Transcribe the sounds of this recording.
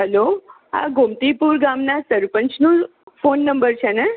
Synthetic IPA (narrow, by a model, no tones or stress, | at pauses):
ɦəlo | a̰ɡʱomt̪ipuɾɡamnasəɾpəɲt͡ʃnũ | fonːəmbəɾt͡ʃʰene